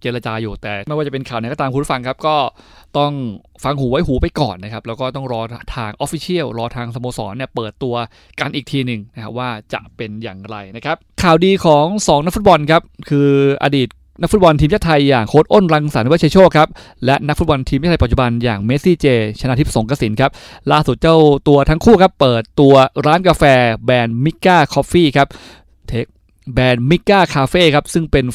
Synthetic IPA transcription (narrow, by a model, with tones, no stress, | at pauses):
t͡ɕeː˧ɾa˧t͡ɕaː˧juː˨˩t̪ɛː˨˩ma˥˩jwaː˥˩t͡ɕa˨˩pe˧nkʰaː˨˩wna˧˦jkɔː˥˩t̪ːaː˧mkʰu˧˨˦ɾfa˧ŋkʰa˦˥p̚kɔː˥˩t̪ɔ˥˩ŋ | fa˧ŋhuː˩˦wa˦˥jɦuː˩˦pa˧jkɔ̰ː˨˩nːa˦˥kʰa˦˥p̚lɛː˦˥wkɔː˥˩t̪ɔ˥˩ŋɾɔː˧t̪ʰaː˧ŋʔɔ˦˥fi˧˥t͡ɕʰi˥˩əwɾɔː˧t̪ʰaː˧ŋsa˧moː˧sɔː˩˦nːi˥˩ɐpɤː˨˩t̪ːu˧ɐ | ka˧nʔiː˨˩k̚t̪ʰiː˧nɯ˨˩ŋna˦˥kʰa˦˥p̚waː˥˩t͡ɕa̰˨˩ʔpe˧nja̰ː˨˩ŋɾa˧jna˦˥kʰa˦˥p̚kʰaː˨˩wdiː˧kʰɔː˩˦ŋsɔː˩˦ŋna˦˥k̚fu˦˥t̪̚bɔ˧nkʰa˦˥p̚kʰɯː˧ʔa̰˧diː˨˩t̪̚ | na˦˥kfu˦˥bɔ˧nt̪ʰiː˧mt͡ɕa˥˩t̪ʰa˧jːaː˨˩ŋkʰoː˦˥t̪̚ʔo˥˩nɾa˧ŋsaː˨˩˦n˧wa˥t͡ɕa˧jt͡ɕʰoː˥˩kʰa˦˥p̚ | lɛ˦˥ʔna˦˥fu˦˥bɔ˧nt̪ʰiː˧mt͡ɕa˥˩a˧pa˨˩t̚t͡ɕu˨˩ba˧njaː˨˩ŋme˦˥siː˥˩t͡ɕeː˧t͡ɕʰa˧na˧t̪ʰi˦˥p̚so˩˦ŋka˧si˩˦nkʰa˦˥p̚laː˥˩su˨˩t̪̚t͡ɕa˥˩wt̪u˧ɐt̪ʰa˦˥ŋkʰuː˥˩kʰa˦˥pːɤː˨˩t̪ːu˧ɐɾaː˦˥nkaː˧fɛː˧bɛː˧nmi˦˥kːaː˥˩kʰɔ˦˥p̚fiː˥˩kʰa˦˥p̚ | t̪ʰeː˦˥k̚ | bɛː˧nmi˦˥kːaː˥˩kʰaː˧feː˥˩kʰa˦˥p̚sɯ˥˩ŋpe˧n